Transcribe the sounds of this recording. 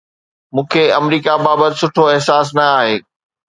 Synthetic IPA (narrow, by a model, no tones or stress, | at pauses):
mũːkʰeɐmɾiːkabaːbət̪ɪsʊʈʰoɪɦsaːs̬nɐaːɦeː